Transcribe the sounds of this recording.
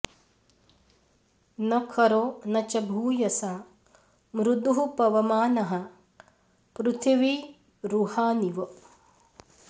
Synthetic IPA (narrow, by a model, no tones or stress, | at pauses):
nɐkʰɐɾoːnɐt͡ʃɐbʱuːjɐsaː | mɾud̪uɦupɐʋɐmaːnɐɦɐ̆ | pɾut̪ʰiʋi | ɾuhaːniʋɐ